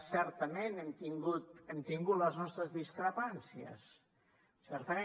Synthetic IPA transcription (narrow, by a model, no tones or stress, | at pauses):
sɛɾt̪əmenemt̪iŋɡut̪emt̪iŋɡut̪ləznɔst̪ɾəzðiskɾəpansiə̰s | sɛɾt̪əe